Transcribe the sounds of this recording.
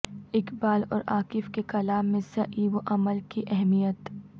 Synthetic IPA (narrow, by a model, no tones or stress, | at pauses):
ɪkbaːlɔ̰ːɾaːkɪfkekɐlaːmːẽsɐʔiʋoʔɐməlkiʔɛɦmijət̪